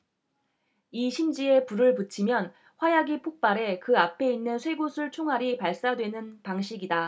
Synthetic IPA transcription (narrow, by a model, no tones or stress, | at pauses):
iɕʰimd͡ʑie̞puɾɯɭpɯt͡ɕʰimjʌn | ɸwajaɡipʰok̚p͈aɾe̞kɯapʰe̞inːɯnsʰwe̞ɡosʰɯɭt͡ɕʰoŋɦaɾipaɭs͈adwe̞nɯnpaŋɕʰiɡida